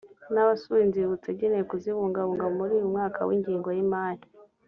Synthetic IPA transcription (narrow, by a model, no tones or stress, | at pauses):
naβasuinziβut͡seɟenejekuziβuːŋɡaβuːŋɡaomuɾiːjumŋaːkʰa̰wḭɲɟiːŋɡo̞jimaːɾi